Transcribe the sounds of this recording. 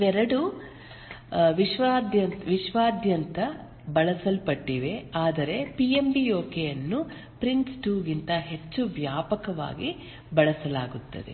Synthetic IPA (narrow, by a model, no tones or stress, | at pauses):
ʋɛɾɐɽu | ʋiʃʋaːd̪jɐnʋiʃʋaːd̪ʱjɐnt̪ɐ | bɐɭɐsɐlpɐʈːiːʋe̞aːd̪ɐɾe̞piembijoːkejɐnːu | pɾiɳsʈuːɡint̪ɐɦe̞t͡ʃːuʋjaːpɐkɐʋa̰ːɡi | bɐɭɐsɐlaːɡut̪ːɐ̰d̪e̞̰